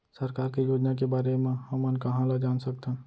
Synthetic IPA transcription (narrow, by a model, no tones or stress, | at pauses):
səɾkaːɾkijoːd͡ʒnak̬ebaːɾemẽhəmənkɐɦãlad͡ʒaːnsək̚t̪ẽː